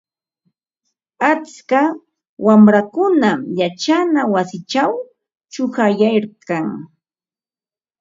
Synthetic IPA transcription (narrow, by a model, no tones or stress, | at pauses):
at͡ska | wamɾakʊnamjat͡ʃanawasɪt͡ʃaw | t͡ʃʊhajajɾkaŋ